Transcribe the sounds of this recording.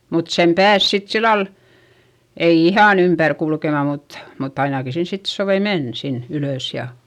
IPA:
mut sem pæːs sit silːɑl ei ihɑˑn ympær kulkemɑ mut mutː ɑinɑki sin sit soʋei men sin yløˑs jɑ

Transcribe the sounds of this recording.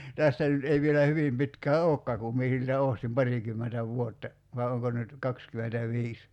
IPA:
tæstæ nyt ei ʋielæ hyʋim pitkæː oːkːɑː kum mie siltæ oˑstim pɑrikymːentæ ʋuotːɑ ʋɑˑi̞ oŋko nyt kɑkskymentæʋiːs

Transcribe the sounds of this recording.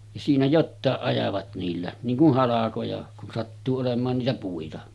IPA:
jɑ siːnæ jotːɑˑeʔ ʔɑjɑʋɑt niːlːæ niːŋ kuh hɑlɑkojɑ kun sɑtːuː olemˑɑːn niːtæ puitɑ

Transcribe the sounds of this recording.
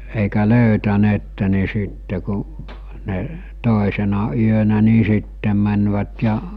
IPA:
eˑikæ løytæneːtːe ni siˑtːe ku ne toˑisenɑ yønæ ni sitːem̆ mænʋæt jɑ

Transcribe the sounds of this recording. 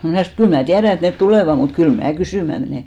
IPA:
mnæˑ sɑnoˑ et kyl mæː tiæræ et net tuleˑʋɑ mut kyl mæː kysyˑmæ meneˑ

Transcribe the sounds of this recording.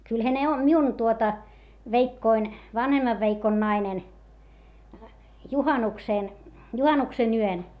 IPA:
kylhæ ne o miun tuotɑ ʋeikːoin ʋɑnhemːɑʋ ʋeikon nɑinen juhɑnukseˑn juhɑnuksen yøn

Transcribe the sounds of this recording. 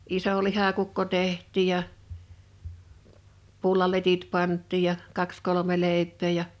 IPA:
iso lihɑkukːo tehˑtˑiˑ jɑ pulːɑletit pɑntˑiːj jɑ kɑks kolome leˑipˑeː jɑ

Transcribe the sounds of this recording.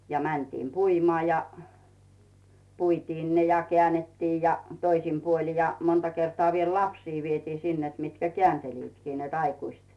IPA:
jɑ mæntiːm puimŏɑˑ jɑ puitiːn ne jɑ kĕæˑnːetːiː jɑ toisim puoli jɑ montɑ kertoɑˑ ʋiel lɑpsiː ʋietiː sin net mitkæ keænteliːtkiː net ɑikuist

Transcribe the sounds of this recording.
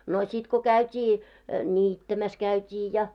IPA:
no sʲit ko kæytʲiː nʲiːtːæmæs kæytʲiː jɑ

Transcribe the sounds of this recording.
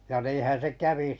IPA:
jɑ niːhæn̞ se kæʋi

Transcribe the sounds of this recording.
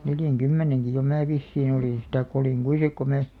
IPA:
neljæŋkymːeneŋki jo mæː ʋisːiːn oliˑn sit tɑikˑ oliˑŋ kui sik ko mæː

